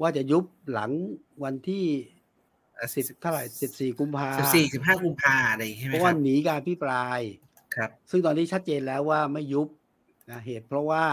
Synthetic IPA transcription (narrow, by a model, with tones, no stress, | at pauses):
waː˥˩t͡ɕa˨˩ju˦˥p̚la˩˦ŋ | wa˧nt̪ʰiː˥˩ | si˨˩t̪ʰa˥˩ɾa˨˩jsi˨˩p̚siː˨˩ku˧mpʰaː˧i˨˩siː˨˩si˨˩p̚ɦaː˥˩ku˧mpʰaː˧a˨la˧˨˩a˥˩˦waː˥˧˩niː˩˦kaː˧nʔa˧pʰi˦˥pɾaː˧j | kʰa˦˥p̚sɯ˥˩ŋt̪ɔː˧nʰiː˦˥t͡ɕʰa˦˥t̪̚t͡ɕeː˧nlɛː˦˥waː˥˩ma˥˩jːu˦˥p̚ | ʔa˧˩ɦeː˨˩t̪̚pʰɾɔ˦˥waː˥˩